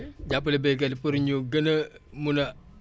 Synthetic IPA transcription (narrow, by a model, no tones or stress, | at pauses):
ɟap̬ːəlebeɡ̬edipuɾɲuɡənəmuna